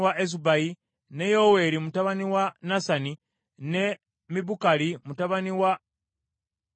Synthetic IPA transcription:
waʔezubaji | ne̞jowe̞ɾimutaβaniwanasani | ne̞ | miβukalimutaβaniwa

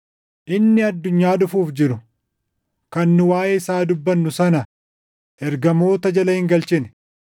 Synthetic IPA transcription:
ʔɪnːɪɐd̪ːʊɲːaːd̪ʊfuːfd͡ʒɪɾʊ | kɐnːʊwaːjeːɪsaːd̪ʊbːɐnːʊsɐnɐ | ʔɛɾɡɐmo̞ːt̪ɐd͡ʒɐlɐhɪŋɡɐlt͡ʃɪnɛ̥

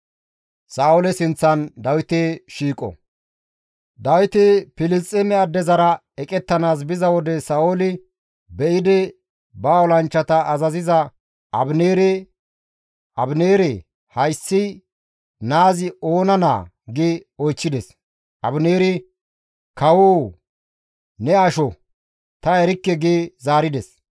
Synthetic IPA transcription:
saːʊlɛsɪnt͡sːɐnd̪ɐwɪt̪eːʃiːkʼɔ̰ | d̪ɐwɪt̪eːpɪlɪst͡sʼɛmɛɐd̪ːɛzɐɾɐ | ɛkʼɛt̪ːɐnaːs̬bɪzɐwɔd̪ɛsaːolɪ | bɛʔɪd̪ɛ | baːɔlɐnt͡ʃːɐt̪ɐːzɐzɪzɐ | ɐbneːɾe | ʔɐbneːɾɛ | hɐjsːɪ | naːzɪoːnɐna̰ː | ɡeːɔjt͡ʃːɪd̪ɛs | ʔɐbneːɾɪ | kɐwoː | nɛɐʃɔ | t̪ɐɛɾɪkːɛɡeːzaːɾɪd̪ɛs

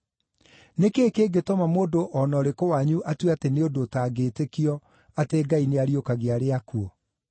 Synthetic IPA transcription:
nekeːkeɡetɔmamoːdoʔɔnɔɾekowaɲuʔatweateneodoːtaːɡetekiɔ | ateɡaineaɾiokaɣeaɾeakuɔ

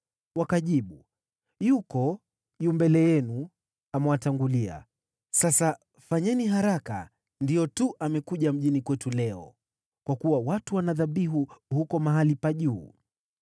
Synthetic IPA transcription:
wakaʄiɓu | jukɔ | jumbɛlɛjɛnu | amɛwataŋɡulia̰ | sasa | faɲɛniɦaɾaka̰ | ndijɔtuʔamɛkuʄam̩ʄinikwɛtulɛɔ̰ | kwakuwawatuwanaðaɓiɦuhukɔmaɦalipaʄuː

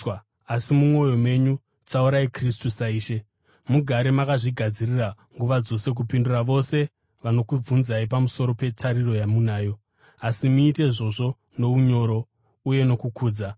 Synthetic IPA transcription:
asimumo̞jo̞mwe̞ɲu | t͡sauɾaikristusaiːʃe̞ | muɡʱaɾemakaʐiɡʱad͡zirira | ŋɡuʋad͡zo̞se̞k̬upinduraʋo̞se̞ | ʋano̞kub͡vunzaipamuso̞ɾo̞pe̞tʰaɾiro̞jamunaːjo̞ | asimuːte̞iʐo̞ʐo̞ | no̞uɲo̞ɾo̞ | uje̞no̞kukuːd͡za

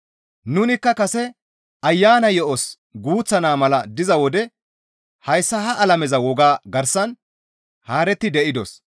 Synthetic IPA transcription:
nʊnɪkːɐkɐsɛ | ɐjːaːnɐjɔʔɔs | ɡuːt͡sːɐnaːmɐlɐd̪ɪzɐwɔd̪ɛ | hɐjsːɐɦɐʔɐlɐmɛzɐwɔɡaːɡɐɾsɐn | haːɾɛt̪ːɪd̪ɛʔɪd̪ɔs

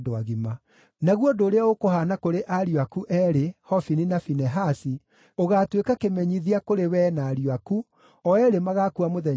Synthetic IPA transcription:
doaɣima | naɣwɔdoːɾeaokohanakoɾeʔaɾjoakuʔɛɾehɔfininafinɛɦasi | oɣaːtwekakemɛɲiðiakoɾewɛnaːɾiaku | ɔɛɾemaɣakuamoðɛ

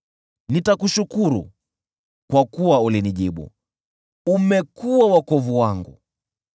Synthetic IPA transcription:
nitakuʃukuɾṵ | kwakuwauliniʄiɓṵ | umɛkuwawakɔvuwaŋɡṵ

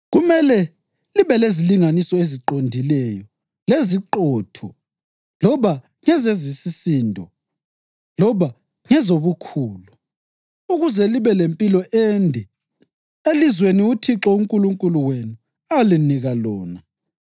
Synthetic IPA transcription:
ɣumɛlɛ | liβɛleziliŋanisɔeziǃondʱilɛjɔ | leziǃɔtʰɔ | lɔβa | ŋɛzezisisiːndʱɔ | lɔβa | ŋɛzoβukʰuːlu | uɣuzɛliβɛlempʼilɔʔendʱɛ | elizweniutʰiǁɔuŋkʼuluŋkʼuluwenu | aliniɣalɔːna

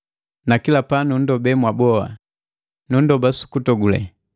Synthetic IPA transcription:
nakilapanun̩dɔbɛmwabɔa̰ | nun̩dɔbasu̥kutɔɡulɛ̰

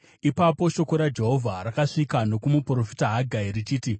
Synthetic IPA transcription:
ipapo̞ʃo̞ko̞ɾad͡ʒe̞ɦo̞vʱaɾakaʂikano̞kumupro̞fitaɦaɡʱairit͡ʃiːti

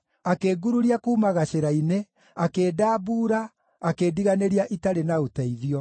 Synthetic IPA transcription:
akeːɡuɾuɾiakuːmaɣaɕeɾaine | akeːdaːbuːɾaː | kediɣaneɾiaʔitaɾenaotɛiðiɔ

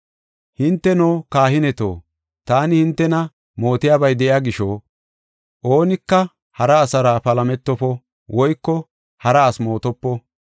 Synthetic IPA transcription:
hɪnt̪ːɛnoːkaːhɪnɛt̪o̰ː | t̪aːnɪhɪnt̪ːɛnɐ | mo̞ːt̪ɪjaːbɐjd̪ɛʔɪaːɡɪʃoː | ʔoːnɪkːɐ | hɐɾɐːsɐɾaːpɐlɐmɛt̪ːɔpɔ | wɔjkːɔ | hɐɾɐːsmo̞ːt̪ɔpːɔ

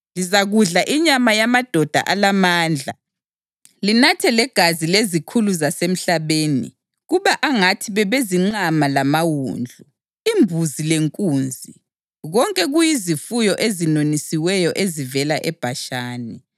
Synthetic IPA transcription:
lizaɣuɮaʔiɲamajamad̥ʱɔd̥ʱa̰ʔalamaːnd͡ɮʱa | linatʰɛlɛɡ̥ʱazilezikʰuluzasem̩ɬaβeːnḭ | ɣuβaʔaŋatʰiβɛβeziŋ͡ǃamalamawṵːnd͡ɮʱu | imbʱuzileŋkʼuːnd͡zʱi | ɣɔŋkʼɛɣujizifujɔʔezinonisiwɛjɔʔezivɛlaʔɛb̥ʱaʃaːni

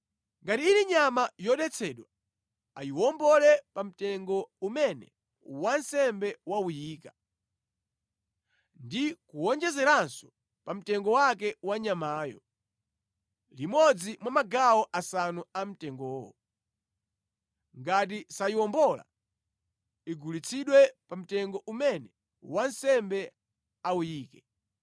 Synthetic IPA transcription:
ŋɡatiiniɲamajɔɗɛt͡sʰɛɗwa | ajiwɔmbɔlɛpam̩tɛŋɡɔumɛnɛ̰ | wansɛmbɛwaujiːka | ndikuwɔnd͡ʒɛzɛɾansɔ̥ | pam̩tɛŋɡɔwak̬ɛwaɲamaːjɔ̰ | limɔd͡zimwamaɡawɔʔasanuam̩tɛŋɡɔːwɔ | ŋɡat̬isaiwɔmbɔla̰ | iɡulit͡sʰiɗwɛpam̩tɛŋɡɔʔumɛnɛ | wansɛmbɛ | aujiːkɛ

